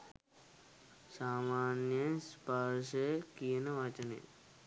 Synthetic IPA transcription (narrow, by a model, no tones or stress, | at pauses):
saːmaːnjəspaɾʃɐkijənɐʋat͡ʃɐnḛ